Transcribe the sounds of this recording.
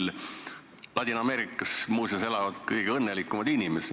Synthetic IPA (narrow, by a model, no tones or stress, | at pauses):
l | lɑt̪ʲinɑmeːɾikːˑɑsmuːsjɑse̞lɑvɑd̪̥kɤjɡ̥eɤnːelikːˑumɑd̪̥inʲimes